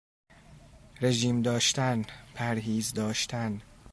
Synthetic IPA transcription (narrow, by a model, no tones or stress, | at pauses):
ɾe̞ʒiːmd̪ɒːʃt̪ænpʰæɾɦiːzd̪ɒːʃt̪ʰæn